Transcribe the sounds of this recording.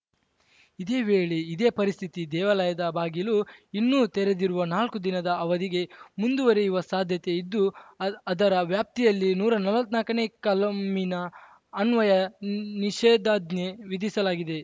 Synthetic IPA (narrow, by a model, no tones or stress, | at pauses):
id̪eːʋeːɭeid̪e̞ːpɐɾist̪ʰit̪id̪ɛːʋɐlɐjɐd̪ɐbaːɡiluinːuːt̪ɛɾe̞d̪iɾuʋɐnaːlkud̪inɐd̪ɐːʋɐd̪iɡe̞mund̪uʋɐɾeiʋɐsaːd̪ʱjɐt̪e̞id̪ːuɐd̪ɐɾɐʋjaːp̚t̪ijɐlːinuːɾɐnɐlʋɐt̪naːkɐnekɐlɐmminɐː | nʋɐjɐniʃeːd̪aːd̪ne̞ʋid̪isɐlaːɡid̪e̞